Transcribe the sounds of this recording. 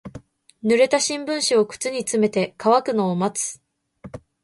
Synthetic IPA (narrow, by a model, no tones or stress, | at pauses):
nɯ̟ɾe̞t̪aɕĩmbɯ̟̃ɰ̃ɕio̞kɯ̟̥t͡sɨɲ̟it͡sɨme̞t̪e̞kaβakɯ̟no̞ːmat͡sɨ̥